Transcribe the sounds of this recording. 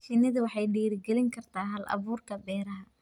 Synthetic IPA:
fɪnːɐðʊwɑħɑjɖiːɾɪɡɛlɪŋkʰɐrt̪ʰaːɦɐlʔɐ̰βuːrkʰɐbɛːɾɐɦɐ

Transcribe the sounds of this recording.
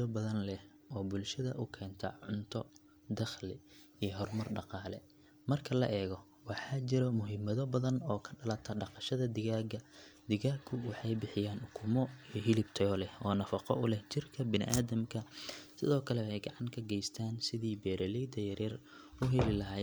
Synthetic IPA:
ɔbɐðɐnlɛh | ɔːbʊlʃɐðɐ̰ʔʊkʰɛːnt̪ʰɐ̰ʕʊnt̪ʰɔ | d̪ɐχlɪ | ijɔɦɔrmɐrɖɑqɑːlɛ̰ | mɐrkʰɐlɐ̰ʔɛːɣɔ | wɑħɑːt͡ʃɪɾɔmʊɦɪmɐðɔbɐðɐnɔːkʰɐ̥ɖɐlɐt̪ʰɐɖɑqɑʃɐðɐd̪ɪɣaːɡɐd̪ɪɣaːɡkʰʊwɑħɑjbɪħɪjaːnʊkʰʊmɔijɦɪlɪbt̪ʰɐɔlɛhɔːnɐfɑqɔ̰ʔʊlɛht͡ʃɪrkʰɐbɪnɪ̰ʔaːðɐmkʰɐsɪ̰ðɔːkʰɐlɛɛjɡɑʕɑŋkʰɐɡɛjst̪ʰaːnsɪðiːbɛːɾɐlɛd̪ɐjɐɾɛr | ʊɦɛlɪlɐɦaː

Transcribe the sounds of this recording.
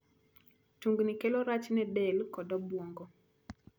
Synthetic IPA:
tuŋɡnikɛloɾat͡ʃnɛbɛlkɔdɔbwoŋɡɔ

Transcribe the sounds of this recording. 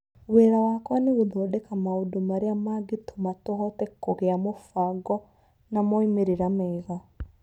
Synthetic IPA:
weːɾawakwɔneɣuðodɛkamaudomaɾiamaɡitomatohɔtɛkoɣeamofaɡɔ | namoimeɾiɾamɛːɣa

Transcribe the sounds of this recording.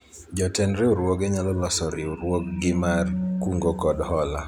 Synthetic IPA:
d͡ʒɔtɛnɾeoɾwoɡɛɲalɔlɔsɔɾɪoɾwok̚ɡɪmarkuŋɡokɔdhɔla

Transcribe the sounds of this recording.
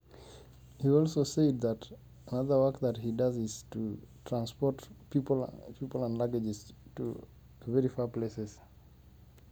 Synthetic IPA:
hiɔlˠsoʊseɪd̚ðət | ənʌðə˞wɜ˞kðəthidʌzɪz̥tʰutʰɹ̥ãnspɔɹtpiplpʰipl̩ˠə̃ndlaɡəd͡ʒɪz̥tṵ | vɛɹifaɹpl̥esɛz̥

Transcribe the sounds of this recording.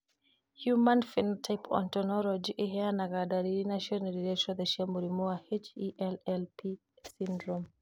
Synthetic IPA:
hjumanfintʰajpʰɔ̰ntɔnɔlɔd͡ʒiʔɛɦɛanaɡadaɾiɾinaʃiɔnɛɾiɾɛʃɔðɛʃamuɾimuahet͡ʃiʔɛlɛlpi | sindɾɔm

